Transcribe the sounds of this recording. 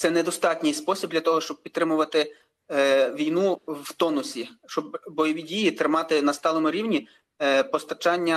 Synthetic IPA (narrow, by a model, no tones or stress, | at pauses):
t̪sɛnɛd̪ɔst̪ɑtʲnʲɪjspɔsʲib̚d̪lʲɐt̪ɔɦɔʃt͡ʃɔb̚pʲid̪ɾɪmʊʋɐt̪ɪ | ʋʲijnuwt̪ɔnʊsʲiʃt͡ʃɔbːɔjɔʋʲidʲijit̪ɾɪmɑt̪ɪnɐst̪ɑlˠɔmʊɾʲiwnʲi | pɔst̪ɐt͡ʃɑnʲːɐ